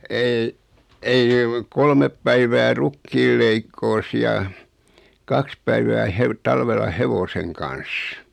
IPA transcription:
ei ei kolmep pæiʋæː rukːiːl leikːoːs jɑ kɑks pæiʋæː heʋ tɑlʋelːɑ heʋoseŋ kɑn̞s

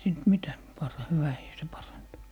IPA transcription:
siːnt mitæ pɑr hyʋæhiː se pɑrɑntu

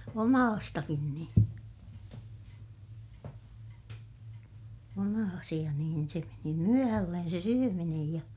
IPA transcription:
omɑːstɑkin nĩː omɑːsij̆ɑ niːn se meni myøhælːen se syøminej jɑ

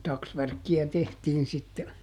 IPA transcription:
tɑksʋærkːiæ tehtiːn sitːe

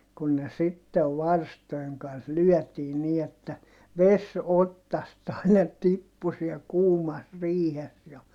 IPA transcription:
kun ne sitːeʋ ʋɑrstoeŋ kɑns lyœˑtiː niː etːæ ʋes otːɑst ɑinɑ tipːu siɛl kuːmɑs riːhes jɑ

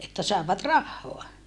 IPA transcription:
etːæ sɑˑeʋɑt rɑhːoɑ

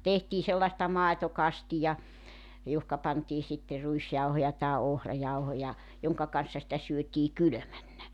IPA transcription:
tehtiː selːɑĕstɑ mɑˑetokɑstijɑ johkɑ pɑntiː sitːe ruisjɑuhojɑ tɑe ohrɑjɑuhojɑ joŋkɑ kɑn̞sːɑ sĭtæ syøtiː kylø̆mænːæ

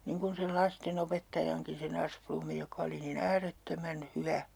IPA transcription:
niŋ kun̞ sel lɑsten opetːɑjɑŋkin̞ sen ɑsplumːi jokɑ̆ oli niːn æːretːømæn hyʋæ

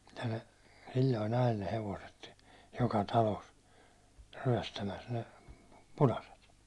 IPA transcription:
jɑ ne silʲːoin ɑjel ne heʋoset jokɑ tɑlos ryæ̹stæmæs ne punɑset

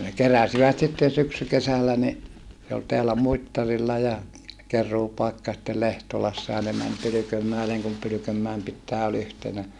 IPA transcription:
ne keræsiʋæt sitːen syksykesælːæ ni se ol teælæ muitːɑrilːɑ jɑ kerˑuːpɑikːɑ jɑ sĭtːel lehtolɑsːɑ jɑ ne mæn pylykømːæeleŋ kum pylykømːæem pitːæː ol yhtenæ

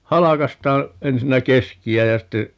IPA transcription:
hɑlɑkɑstɑː ensinːæ keskiæ jɑ ste

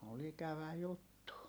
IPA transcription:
ol ikæʋæ jutːu

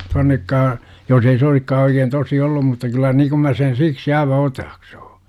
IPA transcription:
tuɑnːekːɑː jos ei se oisikːɑː oikeːn tosi olːum mutːɑ kylˑæ niː kum mæ sen siksi ɑiʋɑ otɑːksu̥ː

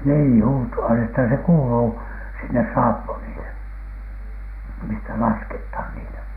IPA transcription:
niː hutoɑ etːæ se kuːluː sinːes sɑːpːunile mistæ lɑskethɑn niːtæ

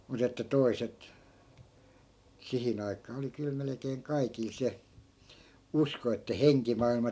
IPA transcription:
mut etːæ toiset sihin ɑikˑɑː oli kyl melĕkeːŋ kɑikil se usko etːæ heŋkimɑilmɑ

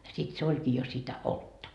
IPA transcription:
sit se olʲkiː jo sitæ oltːɑ

